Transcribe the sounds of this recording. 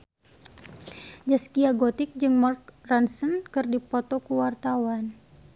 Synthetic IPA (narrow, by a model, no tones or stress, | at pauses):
d͡ʒaskiaɡot̪ɪk̚d͡ʒɨŋmark̚ransənkɨrdipɔt̪ɔkuwart̪awan